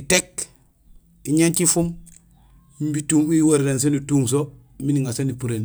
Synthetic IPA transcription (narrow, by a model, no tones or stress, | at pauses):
itek | iɲant͡ʃifum | mbituːmiwoɾɾens̬enituːŋs̬o | miniŋasenipuɾen